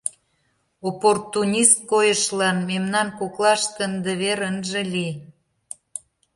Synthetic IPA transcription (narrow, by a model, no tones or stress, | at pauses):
oport̪unʲist̪̚kojəʃlɑnmemnɑnkoklɑʃt̪ənd̪ə̆βeɾənʒĕli